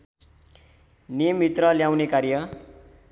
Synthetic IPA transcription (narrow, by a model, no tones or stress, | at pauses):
nijʌmbʱit̪rʌljaw̃nekaɾjʌ